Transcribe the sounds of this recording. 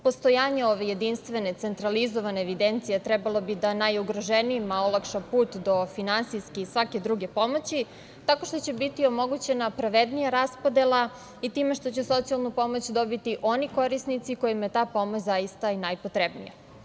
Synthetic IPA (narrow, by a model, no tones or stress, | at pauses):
po̞st̪o̞jaːɲeo̞ʋeje̞d̪inst̪ʋe̞ne̞t̪se̞nt̪ɾalizo̞ʋaneːʋid̪ent̪sijet̪ɾɛbalˠo̞bid̪anajuɡɾoʒeniimaolˠakʃapuːt̪d̪o̞finansiskeisʋake̞d̪ɾuɡe̞po̞mo̞t͡ɕi | t̪ako̞ʃt̪o̞t͡ɕebit̪io̞mo̞ɡut͡ɕe̞napɾaʋed̪nijaɾaspo̞d̪elˠa | it̪iːme̞ʃt̪o̞t͡ɕeso̞t̪sialˠnupo̞mo̞t͡ɕd̪o̞bit̪iʔo̞niko̞ɾisnit̪siko̞jimjet̪aːpo̞mot͡ɕzajist̪ainajpo̞t̪ɾebnḭja